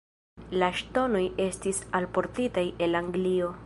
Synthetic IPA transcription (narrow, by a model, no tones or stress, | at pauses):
laʃto̞no̞je̞stisalpo̞ɾtitaje̞laŋɡlio̞